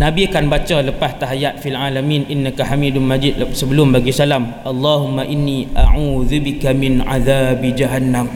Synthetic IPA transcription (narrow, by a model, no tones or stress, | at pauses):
nãbiakanbat͡ʃaləpast̪aɦjat̪̚filʕalamĩnʔinːakahamĩdʊnmad͡ʒid̪̚səbəlʊmbaɡisalam | alːahumːaʔinːiʔa̰ʕuːðubikamɪnʕa̰ðaːbid͡ʒaɦanːam